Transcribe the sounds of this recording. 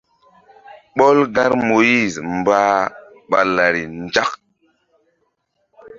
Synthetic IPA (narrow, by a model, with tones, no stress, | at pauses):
ɓo˦lɡa˦ɾmo˨ji˦˨zmbaː˦ | ɓa̰˨la˨ɾi˨nd͡ʒa˦k̚